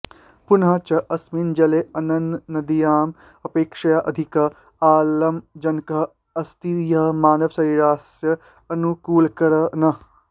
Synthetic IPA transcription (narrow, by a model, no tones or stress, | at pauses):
punɦɐt͡ʃɐʔɐsmind͡ʒɐleɐnɐ̃nd̪nɐd̪ijaːm | ɐpeːkʃɐjaʔɐd̪ʱikɐ | aːlɐmd͡ʒɐnkɐ | ɐst̪ijɐmaːnɐʋsɐiɾaːsjɐ | ɐnukuːlkɐɾɐnɐ